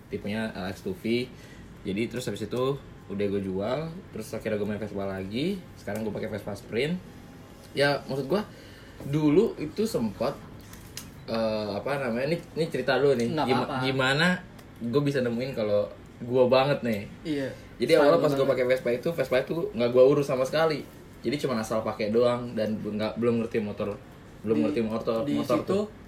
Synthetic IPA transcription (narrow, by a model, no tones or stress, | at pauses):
t̪ipuɲaʔəɛkst̪ufi | d͡ʒadit̪əɾʊsapisit̪u | udahɡuad͡ʒualt̪əɾʊsakiɾaɡuamafɛspalaɡisə̥kaɾaŋɡuapakefɛspaspɾɪn | jamasʊt̪̚ɡua | duluʔit̪usəmpat̪̚ | əːapanamaɲaninit͡ʃəɾit̪alonɪɡimɡimana | ɡuabis̬anəmuɪnkalo | ɡuabaŋət̪̚nɪh | d͡ʒadiaalapasɡuapakefɛspait̪ufɛspait̪uŋɡaʔɡuauɾusamasə̥kali | d͡ʒadit͡ʃumanasalpakɛdoaŋdanbŋɡabəlʊmŋərt̪imot̪ɔr | bəlʊmŋərt̪imɔt̪ɔmɔt̪ɔrt̪u